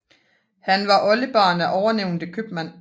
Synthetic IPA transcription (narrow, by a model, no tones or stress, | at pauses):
hænʋɑ̈ʔɒ̽ləb̥ɑ̈ːnæʔɒʊɐneʊ̰nd̥əkʰøb̥mæn̰